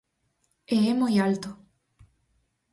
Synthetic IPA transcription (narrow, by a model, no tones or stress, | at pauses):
eɛmojalt̪o